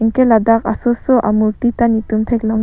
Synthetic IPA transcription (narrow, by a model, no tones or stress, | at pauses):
ŋkɛladakasɔsɔʔa̰muɾtitanutumtʰɛjklɔŋ